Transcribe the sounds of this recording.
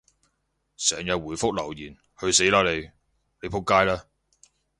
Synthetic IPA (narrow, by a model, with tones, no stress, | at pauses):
sɛː˨˩ŋjɐ˨t̚wuː˨˩jfʊ˥k̚lɐ˨˩wjiː˨˩n | hɵ˧ɥse˨˥jlaː˨˧le˨˧j | le˨˧jpʰʊ˥kːaː˥jlaː˥